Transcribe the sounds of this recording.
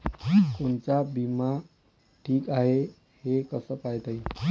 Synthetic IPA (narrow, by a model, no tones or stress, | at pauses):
kont͡ɕabima | ʈʰiːkaɦe | hekəsəkaɦjt̪ai